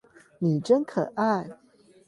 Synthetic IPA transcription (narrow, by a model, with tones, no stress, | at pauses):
ni˨˩ʈ͡ʂə˦nkʰɤ˨˩ʔa˥˩